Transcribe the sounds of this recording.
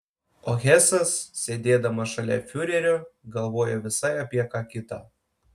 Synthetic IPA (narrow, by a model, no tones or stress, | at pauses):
oɣʲæsɐsːʲed̪ʲed̪ɐmɐʃɐlʲæ̰fʲyɾʲeɾʲoɡɐlˠβojoʋʲɪsɑjɑpʲiɛkɑkʲit̪ɑ